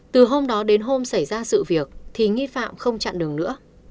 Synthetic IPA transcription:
t̪ɨ˨˩ɦo˧mɗɔ˨˦ɗe˨˦nɦo˧msa˧˩jzaː˧sɨ̰˧˨vi˨˩ək̚t̪ʰi˨˩ŋi˧fa̰ː˧˨mxə˧wŋ͡mt͡ɕa̰ː˧˨nɗɨ˨˩əŋnɨ̰˧˥ə

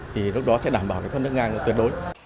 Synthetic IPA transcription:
t̪ʰi˨˩lʊ˥k͡p̚ɗɔ˨˦sɛ̰˧˥ɗaː˧˩mɓaː˧˩wkaː˨˦jfə˧nɨ˦˥k̚ŋaː˧ŋə˨˩t̪wt̚ɗo˨˦j

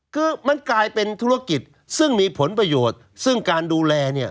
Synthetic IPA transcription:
kʰɯː˧ma˧nklaː˧jpe˧nt̪ʰu˦˥˩a˧ki˨˩t̪̚ | sɯ˥˩ŋmiː˧pʰo˩˦npɾa˧joː˨˩t̪̚ | sɯ˥˩ŋkaː˧nduː˧lɛː˧ni˥˩ɐ

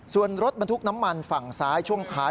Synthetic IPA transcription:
su˨˩ənɾo˦˥t̪̚ba˧nt̪ʰu˥k̚na˦˥mːa˧nfa˨˩ŋsaː˦˥jt͡ɕʰu˥˩əŋt̪ʰaː˦˥

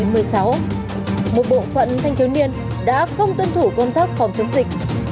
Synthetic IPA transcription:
mɨ˨˩əjsa˨˦w | mo˨˩t̚ɓo̰˧˨fə̰˧˨nt̪ʰa˧jŋ̟ki˨˦wni˧ən | ɗa̰ː˧˥xə˧wŋ͡mt̪ə˧nt̪ʰu˧˩kə˧wŋ͡mt̪aː˦˥k̚fɔ˨˦mt͡ɕə˨˦nzï˨˩k̟̚

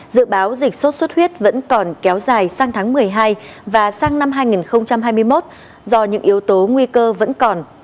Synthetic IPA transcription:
zɨ̰˧˨ɓaː˨˦wzï˨˩k̟̚so˦˥t̚swə˦˥t̚hwi˦˥ət̚və̰˧˥nkɔ˨˩nkɛ˨˦wzaː˨˩jsaː˧ŋt̪ʰaː˨˦ŋmɨ˨˩əjɦaː˧jvaː˨˩saː˧ŋna˧mɦaː˧jŋi˨˩nxə˧wŋ͡mt͡ɕa˧mɦaː˧jmɨ˧əjmo˦˥t̚ | zɔ˧ɲɨ̰˧˥ŋʔi˨˦əwt̪o˨˦ŋwi˧kəː˧və̰˧˥nkɔ˨˩n

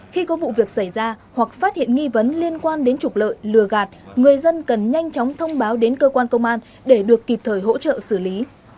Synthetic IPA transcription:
xi˧kɔ˨˦vṵ˧˨vi˨˩ək̚sa˧˩jzaː˧hwa˨˩k̚faː˦˥t̚hḭ˧˨ənŋi˧və˨˦nli˧ənkwaː˧nɗe˨˦nt͡ɕʊ˨˩k͡p̚lə̰ː˧˨jlɨ˨˩əɣaː˨˩t̚ŋɨ˨˩əjzə˧nkə˨˩nɲa˧jŋ̟t͡ɕɔ˨˦wŋ͡mt̪ʰə˧wŋ͡mɓaː˨˦wɗe˨˦nkəː˧kwaː˧nkə˧wŋ͡mʔaː˧n | ɗe˧˩ɗɨ˨˩əkːi˨˩p̚t̪ʰəː˧˩jɦo̰˧˥t͡ɕə̰ː˧˨sɨ˧˩li˨˦

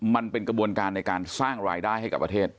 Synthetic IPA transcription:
ma˧npe˧nkɾa˧bu˧ənkaː˧nːa˧jkaː˧nsaː˥˩ŋɾaː˧jdaː˥˩jɦa˥˩jka˨˩pːɾa˧t̪ʰeː˥˩t̪̚

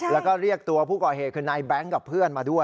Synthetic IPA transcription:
lɛː˦˥wkɔː˥˩ɾi˥˩ək̚t̪u˧ɐpʰuː˥˩kɔː˨˩hɦeː˨˩t̪̚ʰɯː˧naː˧jbɛ˦˥ŋka˨˩pʰːɯ˥˩ənmaː˧du˥˩əj

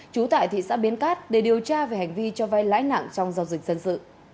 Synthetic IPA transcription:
t͡ɕu˨˦t̪a̰ː˧˨jt̪ʰḭ˧˨sa̰ː˧˥ɓi˨˦ənkaː˦˥t̚ɗe˨˩ɗi˨˩əwt͡ɕaː˧ve˨˩ha˨˩ŋ̟vi˧t͡ɕɔ˧va˧jla̰ː˧˥jna̰ː˧˨ŋt͡ɕɔ˧wŋ͡mzaː˧wzï˨˩k̟̚zə˧nsɨ̰˧˨

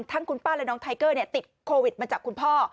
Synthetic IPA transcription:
ŋt̪ʰa˦˥ŋkʰu˧npaː˥˩lɛ˦˥nɔː˦˥ŋt̪ʰa˧jkɤː˥˩ni˥˩t̪i˨˩t̪̚kʰoː˧wi˨˩t̪̚ma˧t͡ɕaː˨˩kʰu˧npʰɔː˥˩

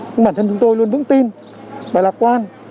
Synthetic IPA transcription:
ɲɨ˧ŋ͡mɓaː˧˩nt̪ʰə˧nt͡ɕʊ˨˦ŋ͡mt̪o˧jlu˧ənvɨ̰˧˥ŋt̪i˧n | ɓaː˨˩laː˨˩p̚kwaː˧n

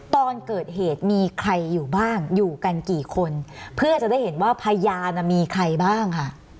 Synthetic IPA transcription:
t̪ɔː˧nkɤː˨˩t̪̚heː˨˩t̪̚miː˧kʰɾa˧jːuː˨˩baː˥˩ŋjuː˨˩ka˧nkiː˨˩kʰo˧npʰɯ˥˩ɐt͡ɕa˨˩da˥˩jɦe˩˦nwaː˥˩pʰa˧jaː˧na˨˩miː˧kʰɾa˧jbaː˥˩ŋkʰa˥˩ʔ

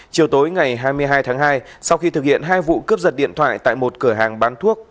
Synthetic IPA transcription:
t͡ɕi˨˩əwt̪o˨˦jŋa˨˩jɦaː˧jmɨ˧əjɦaː˧jt̪ʰaː˨˦ŋɦaː˧j | sa˧wxi˧t̪ʰɨ˨˩k̚hḭ˧˨ənɦaː˧jvṵ˧˨kɨ˦˥əp̚zə˨˩t̚ɗḭ˧˨ənt̪ʰwa̰ː˧˨jt̪a̰ː˧˨jmo˨˩t̚kɨ˧˩əɦaː˨˩ŋɓaː˨˦nt̪ʰu˦˥ək̚

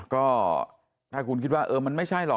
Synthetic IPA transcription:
kɔː˥˩ | t̪ʰaː˥˩kʰu˧nkʰi˦˥t̪̚waː˥˩ʔɤː˧ma˧nma˥˩jt͡ɕʰa˥˩jlɔ˨˩

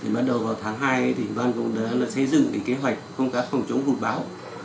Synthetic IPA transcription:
t̪ʰi˨˩ɓa˦˥t̚ɗə˨˩wvaː˨˩wt̪ʰaː˨˦ŋɦaː˧jt̪ʰi˨˩ŋ̟vaː˧nkʊ̰˧˥ŋ͡mɗə˨˦laː˨˩sə˧jzɨ̰˧˨ŋki˨˦ke˨˦ɦwa˨˩jk̟̚xə˧wŋ͡mkaː˨˥kfɔ˨˩wŋ͡mt͡ɕʊ˨˦ŋ͡mɦu˨˩ɓaː˨˦w

